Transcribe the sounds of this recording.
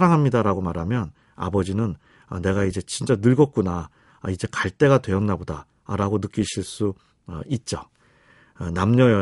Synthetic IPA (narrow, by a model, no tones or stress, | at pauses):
aɾaŋɦamɲidaɾaɡomaɾɦamjʌn | a̰bʌd͡ʑinɯn | ʌne̞ɡaid͡ʑe̞t͡ɕint͡ɕ͈anɯɭɡʌt̚k͈una | id͡ʑe̞kaɭt͈e̞ɡatwe̞ʌŋnaboda | ɾaɡonɯk͈iɕʰiɭs͈u | ʌ̰it̚t͡ɕ͈o | ʌnamɲʌjʌ